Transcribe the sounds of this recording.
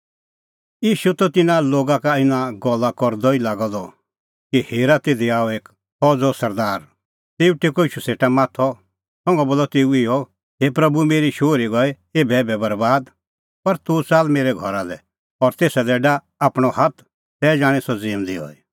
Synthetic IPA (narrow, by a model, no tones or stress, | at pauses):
jiːʃut̪ɔt̪ɪnaloːɡakaɪnaɡɔlːakɔɾd̪ɔilaːɡɔd̪ɔ | kiheːɾat̪eːd̪iaːɔeːk | hɔd͡zɔsɐɾd̪aːɾ | t̪eːuʈekɔiːʃuseːʈamaːt̪ʰɔ | sɔ̃ŋɡɛboːlɔt̪eːuɪjɔ | ɦeːpɾɐbumeːɾiʃoːɾiɡɔɛ | eːbɛbɛbɐɾbaːd̪ | pɐɾt̪ut͡saːlmeːɾɛɡʱɔɾalɛ̰ | ɔɾt̪eːsad̪ɛɖa | aːpɽ̃ɔhɐt̪ʰ | sɛːd͡ʒaːɽ̃ɛsɔd͡ziːmd̪iɔ̰ːi